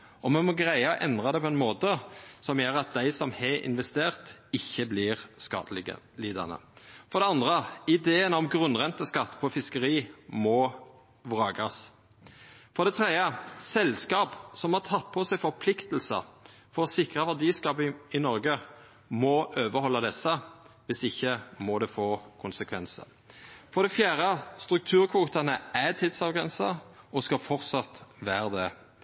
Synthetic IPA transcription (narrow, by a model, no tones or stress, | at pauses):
ɔmɛnmɔɡʁæɪɑʔɛ̰nd̪ʁɑd̪ɛpʰɔɛnmoːt̪əsɔmjøːɾɑt̪̚d̪æɪsɔmhɛɪ̰nʋɛst̪eːʁt̪ɪçːəblɪːʁskɑ̰ | liːd̪ɑ̰nə̰fɔɾd̪ɛɑnd̪ʁəɪd̪eːənɔmɡɾʉnʁɛnt̪əskɑt̪ːpʰɔfɪskəɾiːmɔ | ʋʁɑːɡɑs | fɔɾd̪ɛt̪ʰʁeːəsɛlskɑːpsɔmhɑʁt̪ʰɑt̪̚ːpʰɔsɛɪfɔɾpʰlɪkt̪əl̩sə̰ɾ | fɔɾɔsɪkʁəʋɑd̪iːskɑːpəɪnɔɾɡə | mɔʔøːʋəhɔlːɑd̪ɛsːə | ʋɪsɪçːəmɔd̪ɛfoːkʰʊnsəkʰʋɛnsə̰ʁ | fɔd̪ɛfjæːɾəst̪ɾʉk̚t̪ʰʉːɾkʰʋuːt̪ɑnəæt̪ʰid̪sɑːʋɡʁɛnsəɔskɑfɔʁt̪sɑt̪ʋæːʁd̪ɛ